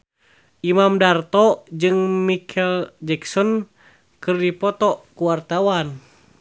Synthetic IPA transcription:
ʔimamdart̪ɔd͡ʒɨŋmikʰɛld͡ʒɛksɔn | kɨrdipɔt̪ɔkuwart̪awan

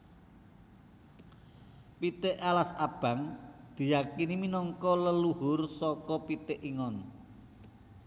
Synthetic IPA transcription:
pit̪ɪʔalasab̥ä̤ŋd̪̥i̤jakiniminɔŋkɔləluɦʊrsɔkɔpit̪ɪʔiŋɔn

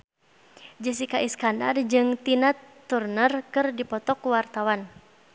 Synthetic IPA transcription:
d͡ʒəs̬ikaʔiskanda̰rd͡ʒɨŋt̪inat̪ːurnərkɨrdipɔt̪ɔkuwart̪awan

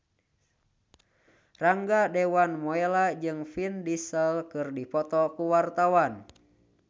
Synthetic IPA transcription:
raŋɡadɛwanmɔɛlad͡ʒɨŋfindisəlkɨrdipɔt̪ɔkuwart̪awan

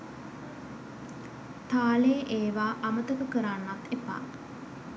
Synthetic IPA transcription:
t̪aːleʔeːʋaːʔamət̪əkəkəɾanːat̪epa̰ː

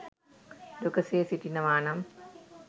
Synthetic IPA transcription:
dokɐseːsiʈinɐʋaːnɐm

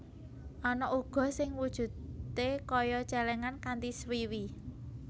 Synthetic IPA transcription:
ʔɔnɔʔuɡ̥ɔ̤sɪŋwud̥ʒ̥ṳt̪ekɔjɔt͡ʃɛlɛŋankant̪iswiwi

